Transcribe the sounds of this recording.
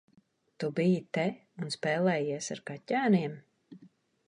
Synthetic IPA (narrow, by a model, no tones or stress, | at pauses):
t̪ubijit̪ɛ | unspɛːlˠɛːjiɛsa̰ɾkatæːniɛm